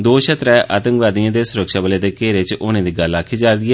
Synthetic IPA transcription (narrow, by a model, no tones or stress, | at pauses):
d̪oːʃət̪ɾɛːʔaːt̪ə̃ŋkʋaːd̪ijãːd̪eːsʊɾəkʃaːbəleːd̪eːkeːɾeːt͡ʃʊːnãːd̪iːɡəlaːkʰiːd͡ʒaːɾd̪iːɛː